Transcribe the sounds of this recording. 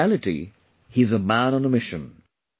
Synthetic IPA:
ælɪtḭ | hiɨzəmæ̃nə̃nəmɪʃɨ̰̃n

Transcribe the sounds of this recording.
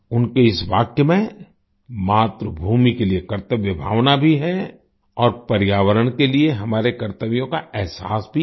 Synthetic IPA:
ʊnkeɪsʋaːkjəmẽ | maːt̪ɾəbʱuːmikeliekɐɾt̪əʋjɪbʱa̰ːʋnabʱiɦɛ | ɔːɾpɐɾjaːʋəɾənkelieɦɐmaːɾekɐɾt̪əʋijõkaɛɦsaːsbʱi

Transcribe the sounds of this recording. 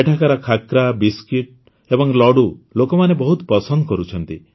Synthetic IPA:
eʈʰakaɾɔkʰakɾabiskiʈ̚ | ebɔŋlɔɽulokɔmanebɔɦut̪pɔsɔnd̪ɔkɔɾut͡ʃʰɔnt̪i

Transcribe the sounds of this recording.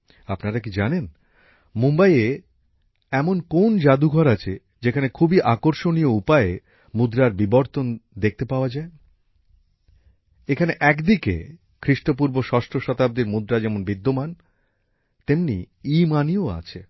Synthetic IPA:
apnaɾak̬id͡ʑanen | mumbaie | ɛmonkond͡ʑad̪uɡʱɔɾat͡ɕʰe | d͡ʑekʰanekʰubiʔakoɾʃonijoupae | mud̪ɾaɾbiboɾt̪ond̪ek̚ʰt̪epaoad͡ʑae | ekʰaneʔɛkd̪ikḛ | kʰɾiʃʈop̬uɾboʃɔʃʈɾoʃɔt̪ab̚d̪eɾmud̪ɾad͡ʑɛmonbid̪ːoman | t̪emnḭ | imanioa̰t͡ɕʰe

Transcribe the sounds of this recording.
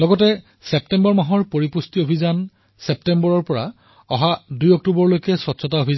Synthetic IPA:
lɔɡɔtɛ | sɛp̚tɛmbɔɹmaɦɔɹpoɹipustiobʱizan | sɛp̚tɛmbɔɹɔɹpɔɹa̰ | ɔɦadujɔk̚tubɔɹlojkɛsɔtsʰɔtaobʱiza

